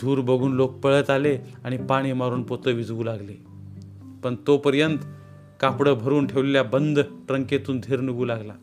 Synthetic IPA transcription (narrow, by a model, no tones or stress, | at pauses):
d̪ʱuːɾbəɡʱuːnlok̚pəɭət̪aleaɽ̃ipaɽ̃iːmaɾuːnpot̪əʋid͡zʋuːlaɡle | pəɳt̪opəɾjənt̪ | kapɽəbʱəɾuːnʈʰeʋleljabənd̪ʱʈɾəŋket̪uːnd̪ʱeɾnuɡuːlaɡla